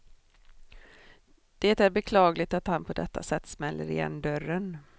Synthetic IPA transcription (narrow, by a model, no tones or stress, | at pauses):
d̪̥eːt̪æɾbɛkʰlɑːɡlɪɡ̚t̪at̪hanpʰɔd̪ɛt̪ːa̰sɛt̪ːsmɛlːəɾɪjɛ̰nːd̪œɾən